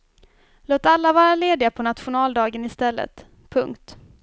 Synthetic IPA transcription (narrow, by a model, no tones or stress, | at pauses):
loːt̪alːavɑːɾaleːd̪ɪapʰɔnat̪ɧʊnɑːld̪ɑːɡənɪst̪ɛlːə̰t̪ | pʰɵŋkt̪